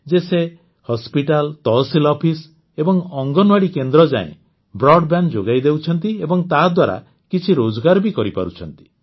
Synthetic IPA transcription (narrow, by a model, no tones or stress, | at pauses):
d͡ʒese | hɔspiʈalt̪ɔsilɔpʰis | ebɔŋɔŋɡɔnwaɽikend̪ɾɔd͡ʒa̰ḛ̃ | bɾɔɖbjand͡ʒoɡajd̪ewt͡ʃʰɔnt̪iebɔŋt̪ad̪waɾa̰ | kit͡ʃʰiɾod͡ʒɔɡaɾɔbikɔɾipa̰ɾut͡ʃʰɔnt̪i̥